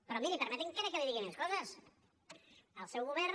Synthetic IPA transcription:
pɾɔmilipəɾmɛt̪eŋkɛɾakeliðiɣimeskɔzɐs | əlˠsɛwɣuβɛɾ

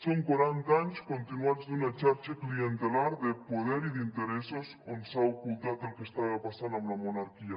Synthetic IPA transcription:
soŋkwaɾant̪aɲskont̪inuazd̪unat͡ʃaɾt͡ʃeklient̪elaɾðepoðɛɾiðint̪eɾesosonsaokult̪at̪elkest̪aβapasanamlamonaɾkia

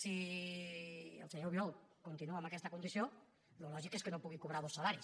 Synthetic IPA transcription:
si | ə̰lseɲɛwβjɔwkunt̪inuambakɛst̪əkund̪isijo | lulɔʒikeskənopuɣikuβɾaβosalaɾis

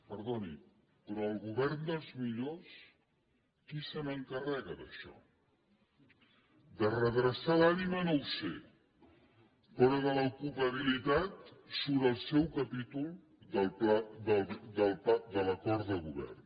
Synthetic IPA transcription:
pəɾðoni | pɾɔːlˠɣuβɛɾnd̪əlˠzmiʎos | kisəməŋkərɛɣəd̪əʃɔ̰ | d̪ərəðɾəsalanimənowsḛ | pɾɔðələkupəβilit̪at̪suβɾəlˠsɛwkəpit̪ulˠ | d̪əlˠplad̪əld̪əlˠpad̪ələkɔɾt̪ðəɣuβɛ̰rn

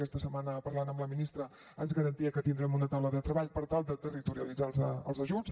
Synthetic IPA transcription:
kɛst̪əsəmanəpəɾlanəmləminist̪ɾə | ənzɣəɾənt̪iəkət̪ind̪ɾɛmunət̪awləðət̪ɾəβaʎpəɾt̪alˠd̪ət̪ərit̪uɾiəlid͡zalˠzəəlˠzəʒuns

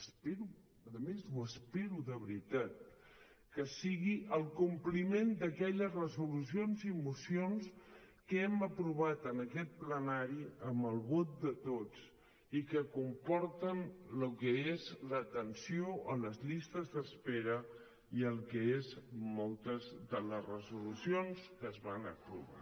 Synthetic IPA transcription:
speɾu | əðəmezuəspeɾuðəβɾit̪at̪̚ | kəsiɣiʔəlˠkumplimend̪əkɛʎəzrəzulusionzimusions | kəɛməpɾuβ̞at̪ənəkɛt̪̚plənaɾiəmbəlˠβot̪̚d̪ət̪ot͡s | ikəkumpɔɾt̪ənlukəezlət̪ənsioʔələzʎist̪əzðəspeɾə | iəlˠkəezmɔlˠt̪əzðələzrəzulusionskəzβanə̰pɾṵβa̰

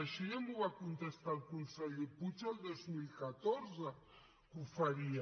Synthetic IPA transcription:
aʃiamuβakunt̪est̪alkunsɛʎd̪eput͡ʃalˠd̪ozmilkat̪oɾza | kufaɾia

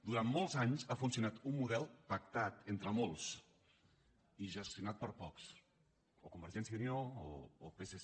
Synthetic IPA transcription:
d̪uɾammːolˠzaɲzafunsiunat̪umːuðɛlˠpək̚t̪at̪ent̪ɾəmolˠs | iʒəst̪junat̪̚pəɾpɔks | okumbəɾʒɛnsjiunio̰ːpese

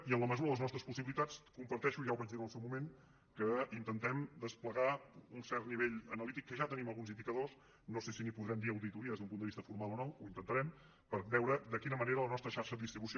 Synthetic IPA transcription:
iənləməzuɾəðəznɔst̪ɾəspusiβilit̪at͡skumpəɾt̪ɛʃuʒawβad͡ʒðiɾənəlˠsɛwmumen | kəint̪ənt̪ɛmd̪əspləɣaunsɛɾt̪niβeʎənəlit̪ikːəʒat̪əniməlˠɣunzind̪ikəðos | nosesinipuðɾɛmd̪iəwðit̪uɾiəðezðumpund̪əβist̪əfuɾmalˠɔnɔwuint̪ənt̪əɾɛm | pəɾbɛwɾəd̪əkinəməneɾələnɔst̪ɾəʃaɾʃəðəðist̪ɾiβusio

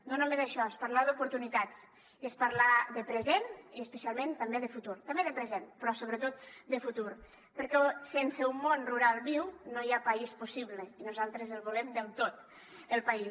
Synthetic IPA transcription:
nonumezaʃɔespaɾlaðupuɾt̪unit̪at͡s | iəspaɾlaðəpɾəzeniəspəsialˠmẽnt̪ambeðəfut̪uɾt̪ambeðəpɾəzenpɾɔsoβɾət̪ot̪̚d̪əfut̪uɾ | pəɾkɛsensəumːonruɾalˠβiwnojapaispusiβləinuzalˠt̪ɾəzəlˠβulɛmd̪əlˠt̪ot̪ | əlˠpais

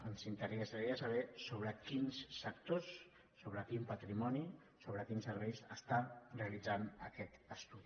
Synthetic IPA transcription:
ənsint̪əɾeɛsaɾiasəβ̞ɛsoβɾəkinsːək̚t̪osː | oβ̞ɾəkimpət̪ɾimɔni | soβɾəkinsəɾβɛjsəst̪areəlid͡zanəkɛt̪əst̪uði

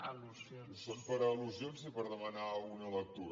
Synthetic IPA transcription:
uz | sonpəɾəluzjonzipəɾðəmənaɣunələk̚t̪uɾ

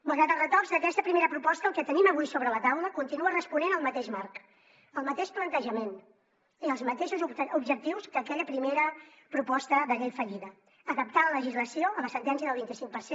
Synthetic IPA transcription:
məlˠɣɾat̪əlˠrət̪ɔrzəkɛst̪əpɾimeɾəpɾupɔst̪əːlˠkɛt̪əniməβ̞ujsoβɾələt̪awləkunt̪inuərəspunenəlˠmət̪eʃmark | əlˠmət̪eʃplənt̪əʒəmen | iəlˠzmət̪eʃuzuubʒək̚t̪iwskəkɛʎəpɾimeɾə | pɾupɔst̪əðəɣɛʎfəʎiðəː | kəp̚t̪alələʒizləsioəməsənt̪ɛnsijəðəlˠβint̪isiŋk̚pəɾse

